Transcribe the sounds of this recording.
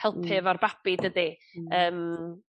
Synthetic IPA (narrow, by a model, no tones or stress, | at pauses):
ɛlˠpʰɨvɔrbab̥idədi | əːm